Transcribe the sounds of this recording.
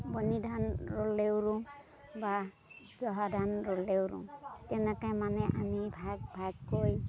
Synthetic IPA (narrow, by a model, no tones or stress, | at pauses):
bɔnidʱanɹolewɹʊ̃ | ba | zɔɦadʱanɹolewɾṵ̃tɛnɛkajmanɛʔamibʱaɡ̚bʱaɡkoj